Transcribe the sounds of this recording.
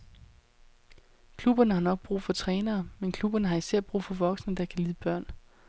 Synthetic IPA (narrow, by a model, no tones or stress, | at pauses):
kʰlub̥ɐnəɦɑ̈nɒ̽ɡ̥̚b̥ʁṵːfɒ̽t͡sʰʁɛːnɐːmenkʰlub̥ɐnəɦɑ̈isæɐ̰b̥ʁṵːfɒ̽ʋɒ̽ɡ̥snəd̥ɑ̈kʰæliːðˠəb̥ɶɐ̰n